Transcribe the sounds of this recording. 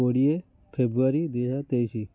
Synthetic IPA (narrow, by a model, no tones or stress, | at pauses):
oɽije | fʰebɾuʋaɾid̪iɕat̪ejɕi